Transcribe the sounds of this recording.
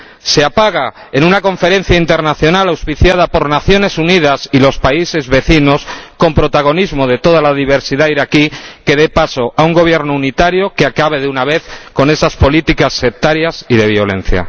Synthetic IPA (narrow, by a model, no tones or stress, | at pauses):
se̞apaɣ̞a | e̞nũnako̞ɱfe̞ɾẽ̞n̟θjaint̪e̞ɾnaθjo̞nalawspiθjað̞apo̞ɾnaθjo̞ne̞sunið̞asilo̞spaise̞zβe̞θino̞sko̞mpɾo̞t̪aɣ̞o̞nizmoðe̞t̪o̞ð̞alaðiβ̞e̞ɾsiðaiɾakike̞ðe̞paso̞ʔauŋɡo̞β̞je̞ɾnounit̪aɾjo̞keakaβe̞ðeunaβe̞θko̞ne̞saspo̞lit̪ikasːe̞k̚t̪aɾjasiðe̞β̞jo̞lẽ̞̰n̟θja̰